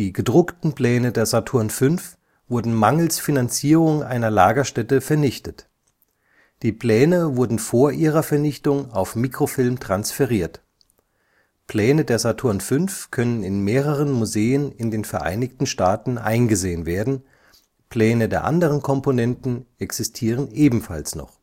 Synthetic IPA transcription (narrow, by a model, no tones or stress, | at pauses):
iːɡədʁʊktn̩pl̥ɛːnədeːɐzatʰʊɐnfʏnf | v̥ʊɐdn̩maŋl̩sfinant͡siːʁʊŋʔa̰ɪnɐlaːɡɐʃtɛtəfɛɐnɪçtət | d̥iːpl̥ɛːnəvʊɐdn̩foːɐʔiːʁɐfɛɐnɪçtʊŋaʊfmiːkʁ̥ofɪlmtʁ̥ansfɛʁiːɐt | pʰl̥ɛːnədeːɐzatʰʊɐnfʏnfkʰœnənɪnmeːʁ̞əʁ̞ənmuzeːənɪndeːnfɛɐʔa̰ɪnɪçtn̩ʃtaːtn̩ʔa̰ɪnɡəzeːənveːɐdn̩ | pʰl̥ɛːnədeːɐʔa̰ndəʁ̞ənkʰɔmponɛntn̩ɛksɪstʰiːʁ̞ənʔeːbm̩fa̰lsnɔ̰χ